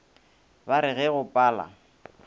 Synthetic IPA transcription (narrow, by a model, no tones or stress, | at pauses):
baɾɪɣɛɣʊpʼaːla̰